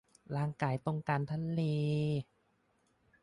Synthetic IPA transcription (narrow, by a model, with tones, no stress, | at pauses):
laː˧ŋkaː˨˩˦jt̪o˧ŋkaː˧nt̪ʰa˧˥nliː˧